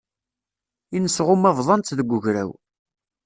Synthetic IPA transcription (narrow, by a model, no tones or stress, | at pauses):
inəsʁʊmævðˤɑnt̪ðəɡʷʊʝɾæ̰w